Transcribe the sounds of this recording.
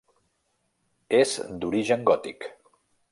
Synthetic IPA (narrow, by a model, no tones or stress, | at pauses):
ezd̪uɾiʒəŋɡɔt̪ḭk